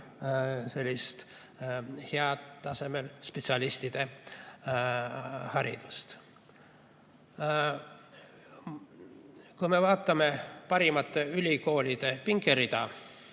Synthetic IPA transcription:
se̞lʲːist̪ | heɑt̪ːɑse̞me̞lspet̪sɑlist̪id̪̥e̞ | hɑɾḭd̪̥ust̪ | kujme̞vɑːt̪ːˑɑme̞pɑɾimɑt̪ːˑe̞ylʲiko̞ːlʲid̪̥e̞piŋɡeɾid̪̥ɑ

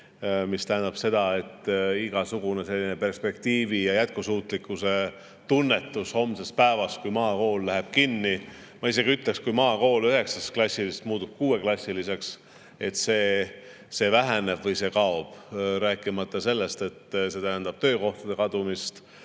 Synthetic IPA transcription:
mist̪æɦænd̪ɑb̥se̞d̪̥ɑe̞t̪ːiɡ̥ɑsuɡ̥unese̞lʲːinepe̞rspe̞kt̪iːvijɑjæt̪̚kusuːt̪likːˑuse̞ | t̪unːe̞t̪ːˑusho̞mse̞spæevɑskujmɑːko̞ːlːæɦeb̥̚kinːi | mɑise̞ɡiyt̪lekskujmɑːko̞ːlyɦe̞ksɑsklɑsʲːilist̪muːt̪ub̥̚kuːe̞klɑsʲːilise̞ks | e̞t̪se̞ː | se̞ːvæɦæne̞b̥vɤjse̞kɑo̞b̥ɾæːkːˑimɑt̪ːˑɑse̞lːe̞st̪e̞t̪ːse̞t̪æɦænd̪ɑb̥t̪ø̞ːko̞ht̪ɑd̪̥e̞kɑd̪̥umist̪

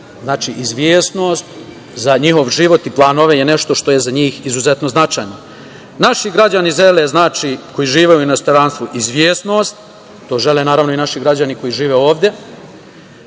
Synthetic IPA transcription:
znaːt͡ʃiʔizʋjeːsno̞ːst̪ | zaɲiho̞ʋʒiʋo̞t̪iplˠaːnoʋejene̞ʃt̪o̞ʃt̪o̞je̞zaɲiːxizuze̞t̪no̞znat͡ʃa̰jno | naʃiɡɾad͡ʑaniʒe̞leznaːt͡ʃiːko̞jiʒiːʋeuinast̪oɾanst̪ʋuʔizʋjeːsnost̪ | t̪ːo̞ːʒe̞lenaːɾaʋno̞inaʃiɡɾad͡ʑaniko̞jiʒiːʋe̞o̞ːʋd̪je̞

